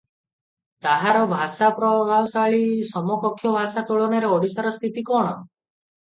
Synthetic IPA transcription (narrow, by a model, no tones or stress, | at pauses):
t̪aɦaɾɔbʱasapɾɔɡawsaɭisɔmɔpɔkʰjɔbʱasat̪oɭɔneɾeɔɽisaɾɔst̪ʰit̪ikɔɽ̃ɔ